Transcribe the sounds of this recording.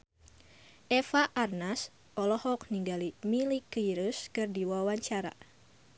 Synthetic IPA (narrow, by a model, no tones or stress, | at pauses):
ʔɛfaʔarnas | ʔɔlɔhɔk̚niŋɡalimilikːiɾuskɨrdiwawaɲt͡ʃaɾa̰